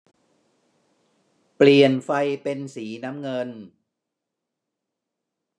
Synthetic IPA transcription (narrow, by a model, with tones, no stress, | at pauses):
pli˨˩ənfa˧jpe˧nsiː˩˦na˦˥mŋɤ˧n